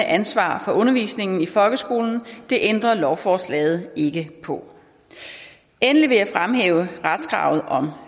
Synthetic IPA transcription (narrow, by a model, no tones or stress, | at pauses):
əʔænsʋɑ̰̈ːfɒ̽ʔɔ̽nɐʋḭːsne̝ŋn̩ifɒ̽lɡ̥əsɡ̥o̝̰ːln̩d̥e̝ʔend̥ʁɐlɒʊfɒːslɛ̰ːɪð̞̩ˠe̝ɡ̥əpʰɒ̽ | enliʋe̝jɑ̈ɪfʁamɦḛːʊəʁad̥sɡ̥ʁɑ̰̈ʊð̞̩ˠɒ̽m